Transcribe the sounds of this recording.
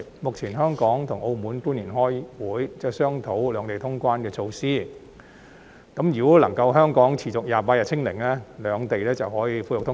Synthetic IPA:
mʊ˨k̚t͡sʰiː˨˩nɦœː˥ŋkɔː˨˥ŋt̪ʰʊ˨˩ŋʔo˧wmuː˨˥npuː˥niː˨˩nɦɔː˥jwuː˨˥jt͡sɛː˥sœː˥ŋt̪ʰo˨˥wlœː˨˧ŋt̪e˨jt̪ʰʊ˥ŋkʷaː˥nkɛː˧t͡sʰo˧wsiː˥ | kɐ˨˥mjyː˨˩kɔː˨˥lɐ˨˩ŋkɐ˧wɦœː˥ŋkɔː˨˥ŋt͡sʰiː˨˩t͡sʊ˨k̚jaː˨˩paː˧t̚ɐ˨t̚t͡sʰɪ˥ŋlɪ˨˩ŋlɛː˥lœː˨˧ŋt̪e˨jlɛː˥t͡sɐ˨whɔː˨˥jiː˨˧fu˧jʊ˨k̚t̪ʰʊ˥

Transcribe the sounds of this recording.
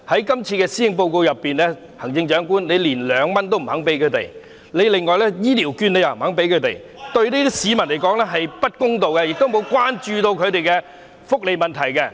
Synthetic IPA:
hɐ˨˥jkɐ˥mt͡sʰiː˧kɛː˧siː˨˥hɪ˧ŋp̬o˧wko˧wjɐ˨pːiː˨nlɛː˥ | hɐ˨˩ŋt͡sɪ˧ŋt͡ʃœː˨˥ŋkuː˥nle˨˧jliː˨˩nlœː˨˧ŋmɐ˥nt̪o˥wm̩˨˩hɐ˨˥ŋpe˨˥jkʰɵ˨˧t̪e˨˩j | le˨˧jlɪ˨ŋːɔː˨jlɛː˥jiː˥liː˨˩wkyː˧ne˨˧jɐ˨˩m̩˩hɐ˨˥ŋpe˨˥jkʰɵ˧t̪ḛ˨˩j | t̪ɵ˧ɥni˥t̪i˥siː˨˧mɐ˨˩nle˨˩jkɔː˨˥ŋlɛː˥ɦɐ˨jpɐ˥t̚kʊ˥ŋt̪o˨wkɛ˧jɪ˨k̚t̪o˥wmo˨˧wkwaː˥nt͡ʃyː˧t̪o˧wkʰɵ˨˧ɥt̪e˨jkɛ˧ | fʊ˥k̚le˨jmɐ˨nt̪ʰɐ˨˩jkɛ˧

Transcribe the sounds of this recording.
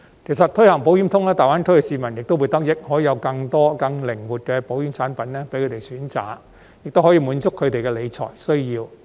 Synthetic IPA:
kʰe˨˩sɐ˨t̚t̪ʰɵ˥hɐ˨˩ŋpo˨˥wjyː˨˥mt̪ʰʊ˥ŋlɛː˥t̪aː˨jwaː˨˥nt̪ʰɵ˥jɛ˧si˨˧mɐ˨˩njɪ˨k̚t̪o˥wu˨˧˥t̪ɐ˥k̚jɪ˥k̚hɔː˨˥ji˨˧jɐ˧wkɐ˧ŋt̪ɔː˥kɐ˧ŋlɪ˨˩ŋwuː˨t̚kɛː˧po˨˥wjyː˨˥mt͡sʰaː˨˥npɐ˨˥nlɛː˥pe˨˥jkʰɵ˨˧te˨˩jsyː˨˥nt͡sa̰ː˨k̚ | jɪ˨k̚t̪o˥wɦɔː˨˥jiː˧muː˨˧nt͡sʊ˥kʰːɵ˨˧ɥt̪e˨jkɛ˧le˨˧jt͡sʰɔ̰ː˨˩jsɵ˥ɥjiː˧w

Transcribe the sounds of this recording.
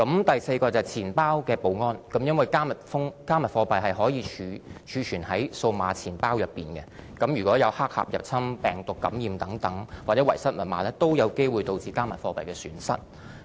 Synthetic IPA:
kɐ˨˥mt̪ɐ˨jse˧jkɔː˧t͡sɐ˨jt͡sʰiː˨˩npaː˥wkɛː˧po˨˥wŋɔː˥nkɐ˨˥mjɐ˥nwɐ˨˩jkaː˥mɐ˨t̚fʊ˥ŋkaː˥mɐ˨t̚fɔː˧pɐ˨jɦɐ˨jɦɔː˨˥jiː˨˧t͡ʃʰyː˨˧t͡ʃʰyː˨˧t͡ʃʰyː˨˩nhɐ˨˥jso˧wma̰ː˨˧t͡sʰiː˨˩npaː˥wjɐ˨pːḭː˨˩nkɛ̰˧kɐ˨˥mjyː˨kʷɔː˨˥jɐ˨˧whaː˥k̚ha̰ː˨p̚jɐ̰˨p̚t͡sʰɐ˥mpɛː˨˩ŋt̪ʊ˨kːɐ̰˨˥mjiː˨˧mt̪ɐ˨˥ŋt̪ɐ˨˥ŋwaː˨t͡sɛː˨˥wɐ˨˩jsɐ˥t̚mɐ˨˩t̚maː˨˧lɛː˥t̪o˥wjɐ˨˧wke˥jwuː˨jt̪o˧wt͡siː˨˧kaː˥mɐ˨t̚fɔː˧pɐ̰˨˩jkɛː˧sy̰ː˨˥nsɐ̰˥t̚

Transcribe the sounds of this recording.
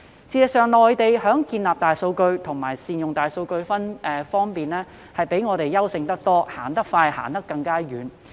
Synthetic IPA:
t͡sʰiː˧jɐ˨k̚sœː˨ŋlɔː˨jt̪e˨jɦœː˨˥ŋkiː˧nlaː˨p̚t̪aː˨jso˧wkɵ˧ɥt̪ʰʊ˨˩ŋmaː˨˩jsiː˨njʊ˨ŋt̪aː˨jso˧wkɵ˧ɥfɐ˥nɛː˨fɔː˥ŋpiː˨nlɛː˥ | hɐ˨jpe˨˥jŋɔː˨˧ɾe˨jːɐ˥wsɪ˧ŋt̪ɐ˥k̚t̪ɔː˥ha̰ː˨˩nt̪ɐ˥k̚faː˧jha̰ː˨˩nt̪ɐ˥kːɐ˧ŋkaː˥jyː˨˧n

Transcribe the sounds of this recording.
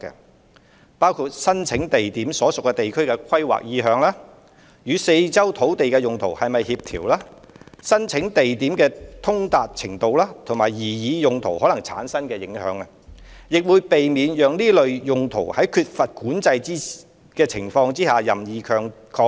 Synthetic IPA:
kːɛ̰˧ | paː˥wkʰu˧t̚sɐ˥nt͡sʰɪ˨˥ŋt̪e˨jt̪iː˨˥msɔː˨˥sʊ˨kːɛː˧t̪e˨jkʰɵ˥ɥkɛ˧kʷʰɐ˥jwa̰˨k̚jiː˨˧ɦœː˨˧ŋlaː˥ | jyː˨˧se˧jt͡sɐ˥wt̪ʰo˨˥wt̪e˨jkɛː˧jʊ˨ŋt̪ʰo̰˨˩whɐ˨jmɐ˨jhiː˧p̚t̪ʰḭː˨˩wlaː˥ | sɐ˥nt͡sʰɪ˨˥ŋt̪e˨jt̪iː˨˥mkɛː˧t̪ʰʊ˥ŋt̪aː˨t̚t͡sʰɪ˨˩ŋt̪o˨˧wlaː˥t̪ʰŋmaː˨˩jjiː˨˩jiː˨˧jʊ˨ŋt̪ʰo˨˩whɔː˨˥lɐ˨˩ŋt͡sʰa̰ː˨˥nsɐ˥nkɛː˧jɪ˨˥ŋhœː˨˥ŋɐ˧jɪ˨k̚wuː˨˧jpe˨jmiː˨˧njœː˨ŋniː˥lɵ˨˧ɥjʊ˨ŋt̪ʰo˨˩whɐ˨˥jkʰyː˧t̚fɐ˨t̚kuː˨˥nt͡sɐ˧jt͡siː˥ | kɛː˧t͡sʰɪ˨˩ŋfɔː˧ŋt͡siː˥haː˨jɐ˨mjiː˨˧kʰœː˧ŋkʰɔː˧˥

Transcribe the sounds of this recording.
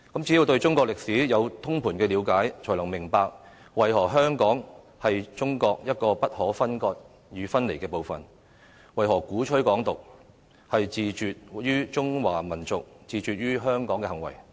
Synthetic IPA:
kɐ˨˥mt͡siː˨˥ji˨˧wt̪ɵ˧ɥt͡sʊ˥ŋkɔː˧k̚lɪ˨k̚siː˨˥jɐ˨˧wt̪ʰʊ˥ŋpʰuː˨˩nkɛː˧liː˨˧wkaː˨˥jt͡ʃʰɔː˨˩lɐ˨˩ŋmɪ˨˩ŋpaː˧k̚ | wɐ˨˩jɦɔː˨˩ɦœː˥ŋkɔː˨˥ŋ | hɐ˨jt͡sʊ˥ŋkɔː˧k̚jɐ˥t̚kɔː˧pɐ˥t̚hɔː˨˥fɐ˥nkɔː˧t̚ | jyː˨˧fɐ˥nle˨˩jkɛː˧po˨˧wfɐ̰˨n | wɐ˨jɦɔː˨˩kuː˨˥t͡ʃʰɵ˥ɥkɔː˨˥ŋt̪ʊ˨k̚ | hɐ˨jt͡siː˨˧t͡ʃyː˨t̚jyː˥t͡sʊ˥ŋwaː˨˩mɐ˨˩nt͡sʊ˨k̚t͡siː˨t͡ʃyː˨t̚jyː˥ɦœː˥ŋkɔː˨˥ŋkɛː˧hɐ˨˩ŋwɐ̰˨˩j

